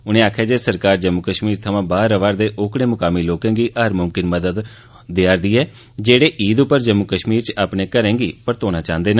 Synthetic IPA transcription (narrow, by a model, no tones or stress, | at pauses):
ʊnẽːaːkʰaːd͡ʒeːsəɾkaːɾd͡ʒəmːukəʃmiːɾt̪ʰəʋãːbaːɾəʋaːɾd̪eːʔoːkɽẽːmʊkaːmiːloːkẽːŋɡiːʔaːɾmʊmkɪnməd̪əd̪ː | eaːɾd̪iːɛː | d͡ʒeːɽeːʔiːd̪ʊpːəɾd͡ʒəmːukəʃmiːɾt͡ʃaːpnẽːkəɾẽːŋɡiːpəɾt̪oːnãːt͡ʃãːnd̪eːnaː